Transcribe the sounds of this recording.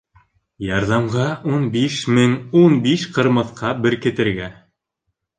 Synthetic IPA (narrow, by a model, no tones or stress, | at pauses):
jɑɾðɑmʁɑunbiʃmɘŋunbiʃqɤ̆ɾmɤ̆θqʰɑbɘɾkɘ̆t̪ɘ̆ɾɡæ